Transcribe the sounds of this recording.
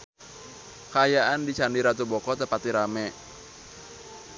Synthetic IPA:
kajaʔandit͡ʃandiɾat̪ubɔkɔt̪əpat̪iɾamɛ

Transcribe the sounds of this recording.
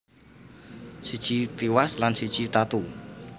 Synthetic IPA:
sid̥ʒ̥it̪iwaslansid̥ʒ̥it̪at̪u

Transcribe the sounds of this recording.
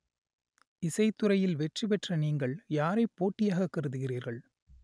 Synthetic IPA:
ɪsɐɪt̪ːɯɾɐjɪlʋɛʈripɛʈrɐniːŋɡɐɭjaːɾɐɪpːoːʈːɪjaːɣɐkːɐɾɯðɯɣɪriːɾɣɐɭ

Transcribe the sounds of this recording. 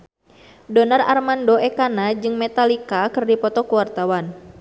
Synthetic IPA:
dɔnara̰rmandoɛkanad͡ʒɨŋmɛt̪alikakɨrdipɔt̪ɔkuwart̪awan

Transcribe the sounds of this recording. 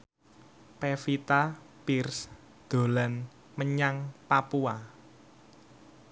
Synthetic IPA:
pefit̪a | pirs | d̪̥o̤lan | məɲaŋpapua

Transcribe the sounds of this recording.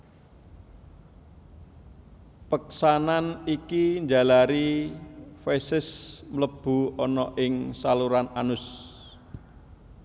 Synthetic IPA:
pəksananikiɲd͡ʒa̤laɾi | fesɪsmələb̥ṳɔnɔʔɪŋsaluɾananʊs

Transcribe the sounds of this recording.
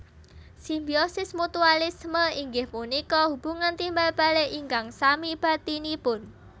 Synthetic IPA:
simbiosɪsmut̪ualisməiŋɡɪhmunikɔhub̥uŋant̪imbalb̥a̤leʔiŋɡaŋsamib̥a̤t̪inipʊn

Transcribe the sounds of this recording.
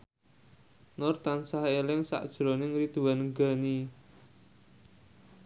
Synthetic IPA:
nʊrt̪ansaɦelɪŋsa̰ʔd̥ʒ̥ɾonɪŋrid̪̥ṳwanŋɡani

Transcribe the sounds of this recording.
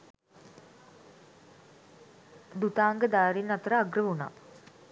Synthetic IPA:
d̪ut̪aːŋɡəd̪aːɾinːɐt̪əɾəaɡrəʋuna̰ː

